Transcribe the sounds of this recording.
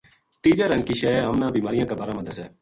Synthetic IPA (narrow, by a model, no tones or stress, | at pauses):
ʈiːd͡ʒəɾɦənkiːʃeːaːmnãːbiːmaːɾɪjãːkabaːɾãːməd̪əsɛː